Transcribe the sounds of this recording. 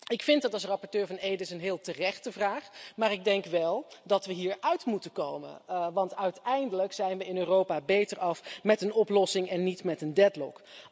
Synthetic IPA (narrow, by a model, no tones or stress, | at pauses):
ɪkfɪntdɑtɑlˠsrɑpɔɹtøːɹvɑnejdəsənɦɪːlˠtərɛχtəvraːχmaːɹɪɡ̚dɛŋkʋɛlˠdɑtʋəɦiːɹœɥtmutəkowmə̰nʋɑntœɥtɛjndələksɛjnʋəɪnøːrowpaːbejtəɹɑfmɛtənɔplɔsɪŋɛnːitmɛtəndɛtlɔ̰k